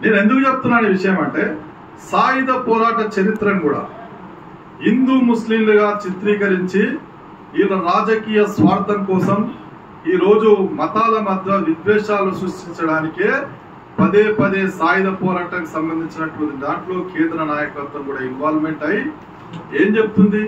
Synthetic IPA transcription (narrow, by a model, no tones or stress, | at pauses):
ne̞ːne̞nd̪ukut͡ʃep̚t̪unːaːniʋiʂɐjɐmɐɳʈe̞ː | saːjid̪ɐpɔːɾaːʈɐt͡ʃɐɾit̪ɾɐmkuːɽa̰ː | ɦind̪uːmuslimluɡaːt͡ʃit̪ɾiːkɐɾiɲt͡ʃi | iːlɐɾaːd͡ʒɐkiːjɐsʋaːɾt̪ʰɐmkɔːsɐm | iːɾo̞ːd͡ʒumɐt̪aːlɐmɐd̪ʱːɐʋid̪ʋɛːʂaːlusɾuʂʈiɲt͡ʃɐɽaːnikeː | pɐd̪eːpɐd̪e̞ːsaːjid̪ɐpɔːɾaːʈɐŋkisɐmbɐnd̪ʱiɲt͡ʃinɐʈːud̪id̪aːɳʈlo̞ːkʰɛːnd̪ɐɾɐnaːjɐkɐɾt̪ʋɐmkuːɽaːinʋaːɾme̞ɳʈɐji | e̞ːmd͡ʒe̞but̪und̪i